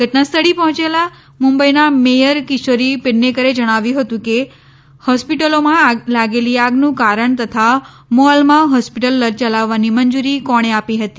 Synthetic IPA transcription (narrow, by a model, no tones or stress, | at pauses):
ɡʱəʈnast̪ʰəɽipɔɦɔ̃t͡ʃela | mũmbəinamejəɾkisoɾipenekəɾed͡ʒəɽ̃aʋjũɦət̪ũke | hɔspiʈəlomãlaɡeliaɡnũkaɾəɳt̪ət̪ʰa | moalmãɦɔspiʈəlːəɾt͡ʃəlaʋːanimənd͡ʒuɾikɔɽ̃eapiɦət̪i